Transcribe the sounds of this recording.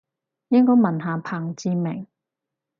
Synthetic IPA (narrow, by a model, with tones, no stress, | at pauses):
jɪ˥ŋkɔː˥jmɐ˨˩nɦaː˨pʰaː˨˩ŋt͡siː˧mɪ˨˩ŋ